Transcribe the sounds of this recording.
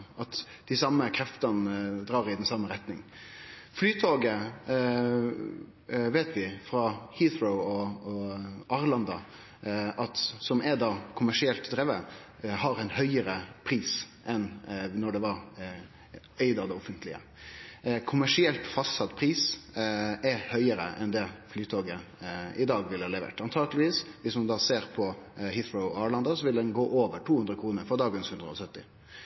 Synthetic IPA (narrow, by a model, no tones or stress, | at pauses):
ʔɑt̪ | d̪̥ɪsɑmːəkʰɾɛft̪ɑnd̪ɾɑːɾɪd̪ɛnsɑmːəɾɛt̪nɪŋ | flyːt̪ʰoːɡə | ʋeːt̪ʋɪfɾɑhiθɾəʊɔ | ʔɑːɾlɑnd̪ɑ | ʔɑt̪sɔmɛd̪ɑːkʰʊmæʂɪɛlt̪d̪ɾeːʋə | hɑɾɛɪnhœʏəɾəpʰɾiːsʔɛnnːɔɖɛʋɑɾ | ɛɪd̪ɑʋd̪ɛɔfənt̪ʰlɪə̰ | kʰʊmæʂɪɛlt̪fɑsɑt̪pʰɾiːs | ɛɾhœʏəɾə̰ʔɛnd̪ɛflyːt̪ʰoːɡəɪd̪ɑːɡʋɪlːəhɑːlɛʋḛːʈɑnt̪ʰɑːɡəlɪʋiːsʋɪsmɑnd̪ɑːseːɾpʰɔhɪθɹəʊɑɭɑnd̪ɑsɔʋɪld̪ɛnɡoːʔoːʋəʈʰuːhʉnd̪ɾəkʰɾuːnəɾfɔɾd̪ɑːɡənshʉnd̪ɾəɔsœt̪ːɪ